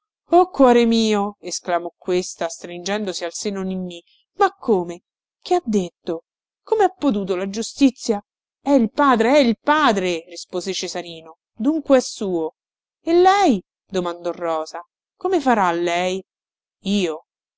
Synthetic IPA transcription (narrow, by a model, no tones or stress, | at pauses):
okːwɔːɾemiːoesklamɔkːwest̪ast̪ɾind͡ʒɛnd̪osialseːnoninːi | makʰːoːme | k̟iad̪ːet̪ːo | komeapːot̪̬uːt̪̬olad͡ʒust̪it̪sːja | ɛilpaːd̪ɾeɛilpaːd̪ɾerispoːzet͡ʃezaɾiːno | d̪uŋkweɛsːuːo | elːɛj | d̪omand̪ɔrːɔːza | komefaɾalːɛj | iːo